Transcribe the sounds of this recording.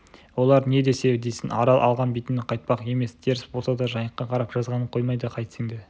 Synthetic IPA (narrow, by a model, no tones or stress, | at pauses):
wo̞lˠɑɾne̞d̪e̞se̞d̪e̞jsɪnɑɾɑlˠʔɑ̰lˠʁɑnbit̪ɪmnɪqʰɑjt̪̚pɑqe̞me̞sd̪ʰe̞ɾɪsbolˠsɑd̪ɑʒɑjəqːɑqʰɑɾɑpʒ̥ɑzʁɑnəɴqʰo̞jmɑjd̪əqʰɑjt̪sɪŋd̪e